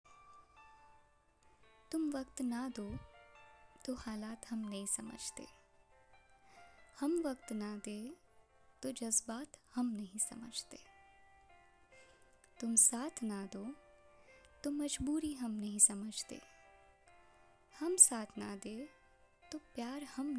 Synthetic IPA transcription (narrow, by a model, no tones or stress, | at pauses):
t̪ʊmʋɐkt̪nad̪oː | t̪ohaːlaːt̪hɐmnɐɦĩsɐmə̰d͡ʒʱt̪ḛː | hɐmʋɐkt̪nad̪eː | t̪od͡ʒɐzbaːt̪hɐmnɐɦĩsɐmə̰d͡ʒʱt̪eː | t̪ʊmsaːt̪ʰnad̪oː | t̪omɐd͡ʒbuːɾiɦɐmnɐɦĩsɐməd͡ʒʱt̪ḛː | hɐmsaːt̪ʰnad̪eː | t̪opjaːɾhɐm